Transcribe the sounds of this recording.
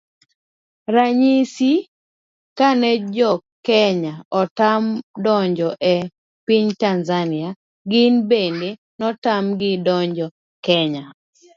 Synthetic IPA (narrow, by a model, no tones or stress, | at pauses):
ɾaɲisi | kanɛd͡ʒɔkɛɲaɔtamdɔɲd͡ʒɔʔɛ | piɲtanzania | ɡɪnbende | nɔtamɡɪdɔɲd͡ʒɔ | kɛɲa